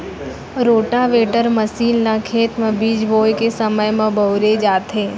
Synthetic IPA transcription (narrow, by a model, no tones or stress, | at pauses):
ɾoːʈaʋeːʈəɾməsiːnlakʰeːt̪mə̃biːd͡ʒboːjkesəməjmɐ̃bəʊɾed͡ʒaːt̪ɦẽː